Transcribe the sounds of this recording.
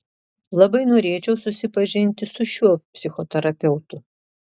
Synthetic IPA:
lˠɐbɐɪnoːɾʲeːt͡ʃʲɛʊsʊsʲɪpɐʒʲɪnʲt̪ʲɪsʊʃʲuɔpʲsʲɪxɔt̪ʲɛɾɐpʲɛʊt̪ʊ

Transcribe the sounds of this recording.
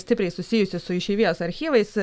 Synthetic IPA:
sʲt̪ʲɪpʲɾʲɛɪsʊsʲɪjʊsʲɪsʊɪʃʲɛːʋʲijoːsɐɾʲxʲiːʋɐɪs

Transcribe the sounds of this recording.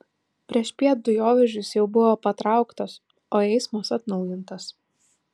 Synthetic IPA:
pʲɾʲiɛʃpʲiɛt̪̚d̪ʊjoːʋʲɛʒʲʊsjɛʊbʊʋoːpɐt̪ɾɑˑʊkt̪oːs | oːɛɪsmoːsɐt̪nɒʊjɪnt̪ɐs

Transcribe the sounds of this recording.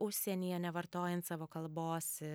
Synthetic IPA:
ʊʃʲsʲɛnʲiːjɛnʲɛʋɐɾt̪oːjɛnt̪sɑːʋoːkɐlˠboːs

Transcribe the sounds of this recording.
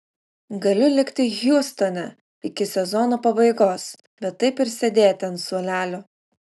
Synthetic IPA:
ɡɐlʲʊlʲɪkt̪ʲɪɣʲjuɔst̪ɔnʲɛ | ɪkʲɪsʲɛzɔnoːpɐbɐɪɡoːs | bʲɛt̪ːɐɪpɪɾʲsʲɛd̪ʲeːjɛt̪ʲɛnsuɔlʲæːlʲʊ

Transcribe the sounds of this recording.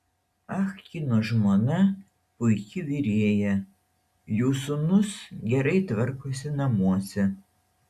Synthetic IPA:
ɐxkʲiːnoʒmonɐ | pʊjkʲɪʋʲiɾʲeɛːjɛ | juːsunʊsɡʲɛɾɐɪt̪ʋɐɾkosʲɪnɐmuɔsʲɛ

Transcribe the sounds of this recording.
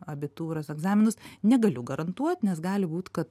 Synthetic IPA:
ɐbʲɪt̪uːɾɐsɛɡzɑːmʲɪnʊsnʲɛɡɐlʲʊɡɐɾɐnt̪uɔt̪nʲɛsɡɑːlʲɪbuːt̪kɐt̪

